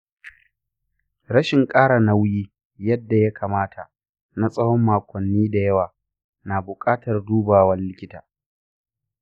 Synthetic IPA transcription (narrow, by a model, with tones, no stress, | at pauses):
ɽɐ˦ʃɪ˨ŋkʼaː˦ɽa˨na˦wjiː˦ | jɐ˦dːa˨ja˦kʰaː˨maː˦tʰa˨ | na˦sʼɐ˦hɔ˦mːaː˨kʷɔ˨nːiː˦da˨jɐ˦waː˨ | naː˨bʊ˨kʼaː˦tɐ˨rduː˦baː˨wɐ˦nlɪ˦kʲɪ˦taː˨